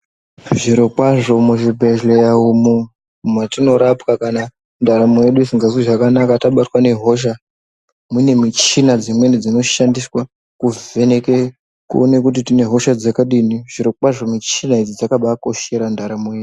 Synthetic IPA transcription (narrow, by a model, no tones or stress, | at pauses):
ʐiɾokwaʐo̞muʐibʱeʒlejaumu | mwatino̞ɾapkakana | ndaɾamujeɗuisiŋɡaziʐakanakataɓatwane̞ɦo̞ʃ̬a | mwine̞mit͡ʃinad͡zimwe̞nid͡zino̞ʃandiswa | kuve̞ne̞ke | kṵone̞kut̬itine̞ɦo̞ʃad͡zakaɗiniʐ̥iɾok͡pwaʐo̞mit͡ʃinaid͡zid͡zakaɓako̞ʃe̞ɾandaɾamuje̞u